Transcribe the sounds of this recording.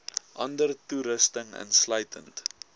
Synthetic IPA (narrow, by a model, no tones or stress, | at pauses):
ʔɐndərtuɾəstəŋə̰nsləɥtʰənt